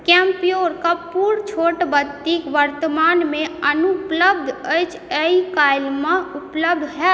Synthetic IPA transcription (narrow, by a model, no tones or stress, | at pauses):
kɛ̃ːmpijoːɾkapuːɾt͡ʃʰoːʈbət̪ikʋəɾt̪əmaːnmẽənupləb̚d̪ʱət͡ʃ | əikaːɪlmãʊpləb̚d̪ʱɦɛ